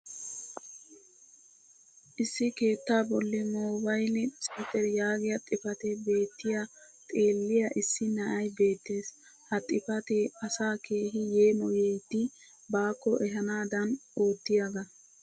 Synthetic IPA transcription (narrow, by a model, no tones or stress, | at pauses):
ʔɪsːɪke̞ːt̪ːaːbɔlːɪmoːbɐjlɪt͡sʼit̪ɛɾjaːɡɪjɐt̪ʼɪfɐt̪ɛbe̞ːt̪ːɪjɐ | t̪ʼe̞ːlːɪjɐʔɪsːɪnɐʔɐjbe̞ːt̪ːe̞ːs | hɐt̪ʼɪfɐt̪ɛɐsaːkʰe̞ːɦɪjeːmɔjet̪ːɪ | baːkːɔʔɛɦɐnaːd̪ɐnoːt̪ːɪjaɡɐ